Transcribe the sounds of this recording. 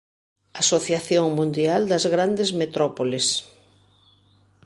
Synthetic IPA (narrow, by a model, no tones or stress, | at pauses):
asoθjaθjoŋmũnd̪iald̪ɐzɣɾand̪ezmet̪ɾɔpoles